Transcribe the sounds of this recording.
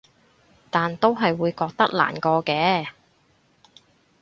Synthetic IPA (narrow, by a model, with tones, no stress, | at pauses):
t̪aː˨nt̪o˥wɦɐ˨jwuː˨˧jkɔː˧k̚t̪ɐ˥k̚la̰ː˨˩nkɔː˧kɛː˧˥